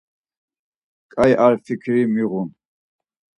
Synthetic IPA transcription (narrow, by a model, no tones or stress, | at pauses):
kʼajʔaɾfikʰɾimiʁun